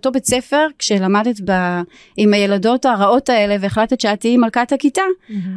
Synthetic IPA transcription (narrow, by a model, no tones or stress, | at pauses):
to̞bet͡se̞fe̞ʁkʃe̞lamadetba | imaje̞lado̞taʁao̞tae̞le̞veːχlatet̪ʃeatiimalkathakita